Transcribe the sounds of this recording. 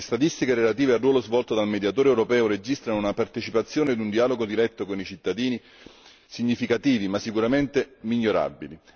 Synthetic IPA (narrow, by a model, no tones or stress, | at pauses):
lest̪at̪ist̪ikeɾelat̪iːvearːwɔːlozvɔlt̪od̪almed̪jat̪oːɾeɛwɾopɛːoɾed͡ʒist̪ɾanounapart̪et͡ʃipat̪sːjoːned̪und̪iaːloɡod̪iɾɛt̪ːokonit͡ʃit̪ːad̪iːni | siɲːifikat̪iːvimasːikuɾament̪emiʎːoɾa̰bili